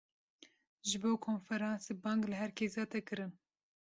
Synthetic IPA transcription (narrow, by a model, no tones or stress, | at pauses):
ʒɨboːkʰoːnfɛɾɑːnsebɑːŋɡlɨɦɛɾkeːzɑːt̪ɛkɨɾɨn